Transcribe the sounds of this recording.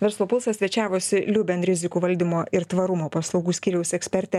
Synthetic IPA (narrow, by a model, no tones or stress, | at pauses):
ʋʲɛɾslˠoːpʊlˠsɐsʲʋʲɛt͡ʃʲæːʋoːsʲɪlʲʊbʲɛnɾʲɪzʲɪkuːʋɐlʲd̪ʲɪmoːʔɪɾt̪ʋɐɾʊmoːpɐslˠɒʊɡuːsʲkʲiːɾʲɛʊsɛksʲpʲɛɾʲt̪ʲɛ